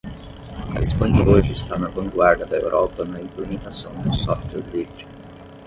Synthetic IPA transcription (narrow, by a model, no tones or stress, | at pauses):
ɐ̰ḭspɐ̃ɲɐoʒɪɪst̪anɐvɐ̃ŋɡwaɾd̪ɐd̪ɐḛwɾʔɔpɐnɐĩplemit̪asɐ̃w̃d̪ʊsɔft̪ɛɾɡɾid͡ʒɪ̥